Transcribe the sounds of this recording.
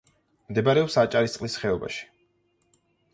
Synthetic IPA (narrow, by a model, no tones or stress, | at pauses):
md̪ɛbaɾɛɔpsat͡ʃʼaɾist̪sʼlisχɛɔba̰ʃi̥